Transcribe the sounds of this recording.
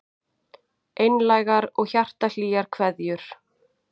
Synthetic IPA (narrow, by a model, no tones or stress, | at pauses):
ʔejnlajɣaɾɔɣçar̥t̪al̥iːɣaɾ̥kʰvɛðjʏɾ̥